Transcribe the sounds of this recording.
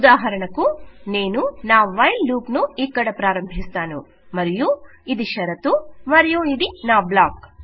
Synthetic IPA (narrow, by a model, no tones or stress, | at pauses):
ud̪aːɦɐɾɐɳɐkːuneːnunaːʋʋɐjlːuːpnuiːkːɐɽɐpɾaːɾɐmbʱist̪aːnṵ | mɐɾijuid̪iʃɐɾɐt̪umɐɾijuid̪inaːblaːk